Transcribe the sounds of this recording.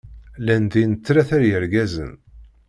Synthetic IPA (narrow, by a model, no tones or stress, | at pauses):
lænd̪inət͡sːɾæθæɾjəɾɡæzə̰n